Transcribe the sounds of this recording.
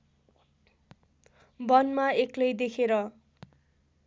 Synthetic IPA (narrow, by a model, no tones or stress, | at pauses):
bʌnmaeklʌjd̪ekʰeɾʌ